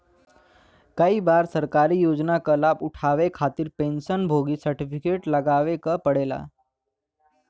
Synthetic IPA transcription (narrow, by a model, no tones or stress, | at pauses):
kaɦiːbaɾsəɾkaɾiːjod͡znakəlapuʈʰaʋekʰat̪iːɾpenɕənbʱoɡiːsəɾʈifikeʈləɡaʋekəpəɽela̰